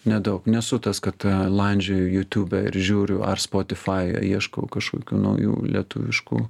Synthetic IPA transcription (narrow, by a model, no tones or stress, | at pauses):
nʲɛd̪ɐʊknʲɛsʊt̪ɐskɐt̪lˠɐnʲd͡ʒʲoʊjuːt̪ʲuːbʲɛɪ̰ɾʒʲuːɾʲʊɐ̰rspoːt̪ʲɪfɑːj̰iɛʃkoʊkɐʃkoːkʲuːnɐ̰ʊjṵːlʲḭɛt̪ʊːʋʲɪʃkṵː